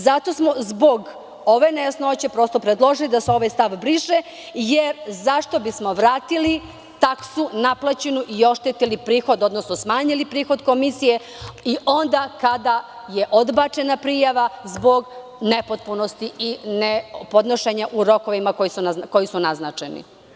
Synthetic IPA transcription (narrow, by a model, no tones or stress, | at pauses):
zat̪o̞smo̞zbo̞ɡ | o̞ʋe̞nesnot͡ɕepɾo̞st̪o̞pɾed̪lˠo̞ʒilid̪aseo̞ʋajst̪aʋbɾiʃe | jeɾzaʃt̪o̞bismo̞ʋɾaːt̪ili | t̪aksunaplat͡ɕenuʔio̞ʃt̪et̪ilipɾiːxo̞d̪o̞d̪nosnosmaːɲilipɾiːxo̞d̪ko̞misije̞ | iʔo̞nd̪akad̪a | jeʔo̞d̪bat͡ʃe̞napɾijaʋazbo̞ɡ | nepot̪̚punost̪iinepo̞d̪noʃeɲaʔuɾo̞ko̞ʋimako̞jisunako̞jisunaznat͡ʃenḭ